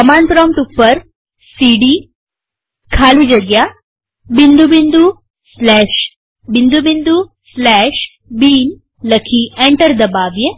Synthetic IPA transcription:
əmanpɾɔmʈupːəɾ | siɖi | kʰaːlud͡ʒəɡja | bind̪ubind̪u | slɛːʃ | bind̪ubind̪u | slɛʃ | biːn | ləkʰiẽɳʈəɾd̪ɐbaːʋje

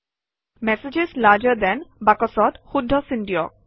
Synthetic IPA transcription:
mɛsed͡ʒezlaɾd͡ʒəd̪ɛnbakɔsɔt̪hud̪ʱːɔsiɳɖiɔ̰k̚

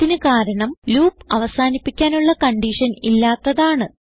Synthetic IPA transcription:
inɨkaːɾɐɳɐmluːpːɐʋɐsaːnipːikʲːaːnuɭːɐkɐɳɖiʂɐnilːaːt̪ːɐðaːɳɨ

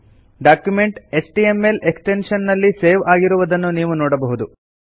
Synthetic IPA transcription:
ɖaːkjumeɳʈesʈiemelʔeksʈenʂɐnːɐlːiseːʋaːɡiɾuʋɐd̪ɐnːuniːʋunɔːɽɐbɐɦud̪u

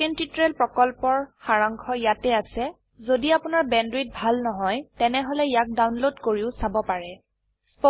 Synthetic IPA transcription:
entitɹelpɹɔkɔlpɔɹxaɹaŋkʰɔjatɛasɛ | zodiapʊnaɹbɛndɹit̚bʱalnɔɦɔjtɛnɛɦɔlɛjak̚dawnlodkoɹiʊsabɔpaɹɛ | p

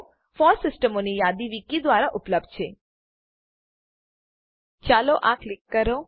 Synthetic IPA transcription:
fɔlsɪsʈəmonijad̪iʋikid̪ʋaɾaʔʊpləb̚d̪̚t͡ʃʰe | t͡ʃaloʔaklɪkːəɾo

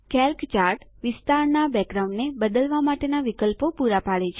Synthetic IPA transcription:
kɛlkt͡ʃaɾʈʋɪst̪aɾnabɛɡɾaũɳɖnebəd̪əlʋamaʈenaʋikəlpopuɾapaɭet͡ʃʰ

